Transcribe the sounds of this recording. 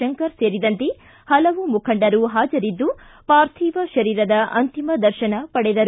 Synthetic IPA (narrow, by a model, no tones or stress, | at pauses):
ɐŋkɐɾseːɾid̪ɐnt̪e | hɐlɐʋumukʰɐɳɖɐɾuɦaːd͡ʒɐɾid̪ːu | paːɾt̪ʰiːʋɐʃɐɾiːɾɐd̪ɐʔɐ̰nt̪imɐd̪ɐɾʃɐnɐpɐɽɛd̪ɐɾu